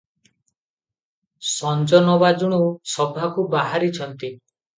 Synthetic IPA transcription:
sɔnd͡ʒɔnɔbad͡ʒuɽ̃usɔbʱakubaɦaɾit͡ʃʰɔnt̪i

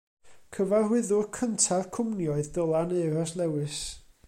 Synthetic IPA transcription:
kʰəvarhwɪðʊrkʰəntʰaðkʰʊmnjɔɨðdəlˠaneɨrɔslɛwɨs

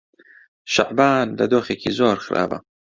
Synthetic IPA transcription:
ʃa̰ʕbaːnlɐ̰d̪oːxeːkʰiːzoːɾxɨɾʔa̰ːvɐ̰

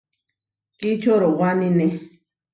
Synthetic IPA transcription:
kit͡ʃoɾowanine

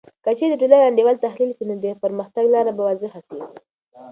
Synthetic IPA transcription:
kət͡ʃeɾd̪əʈolaɾland̪ewɑlt̪ahlilsinod̪əpəɾməxt̪aɡlɑɾabawɑzəhasi

